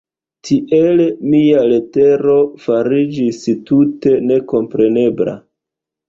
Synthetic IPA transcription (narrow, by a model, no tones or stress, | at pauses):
tʰiʔelmiale̞te̞ɾo̞faɾid͡ʒistute̞ne̞ko̞mpɾe̞ne̞bla̰